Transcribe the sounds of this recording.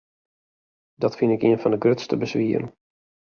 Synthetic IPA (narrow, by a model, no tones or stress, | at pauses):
dɑtfɪnɪkiənfɑndəɡrøtstəbəsʋiən